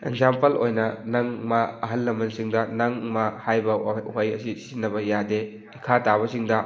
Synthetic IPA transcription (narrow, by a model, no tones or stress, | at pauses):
eɡzampɐlojnɐnɐŋmɐɐɦɐlːɐmɐnsiŋdɐnɐŋmɐhajbɐɦɐjɐsisinːɐbɐjade | ikʰataβɐsiŋdɐ